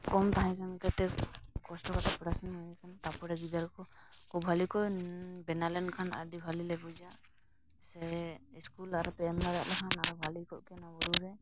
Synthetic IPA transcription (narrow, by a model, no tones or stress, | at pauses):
kɔmt̪aɦãkʰankɛt̪ɛkkɔsʈɔkat̪ʰapɔɾasɔnaikʰant̪apɔɾaɡid̪aɾkɔkʰubʱalikɔjbɛnalɛnkʰana̰dibʱalilɛbud͡ʒa | sɛiskulaɾɔpɛɛmlaɾaʔlɛkʰanaɾɔbʱalikɔʔkɛnabɔɾuɾɛ